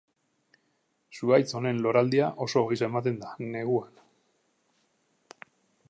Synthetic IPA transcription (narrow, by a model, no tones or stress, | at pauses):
suɣajt͡so̞ne̞nlo̞ɾald̪iaʔo̞so̞ɣisaemat̪e̞nd̪ḁne̞ɣuan